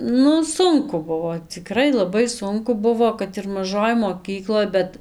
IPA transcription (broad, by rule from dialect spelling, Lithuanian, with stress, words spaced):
ˈnʊ ˈsʊŋkʊ ˈbʊʋoː t͡sʲɪˈkrɐɪ lˠɐˈbɐɪ ˈsʊŋkʊ ˈbʊʋoː kɐt ɪr mɐˈʒoːj moːˈkʲiːklˠoːj ˈbʲɛt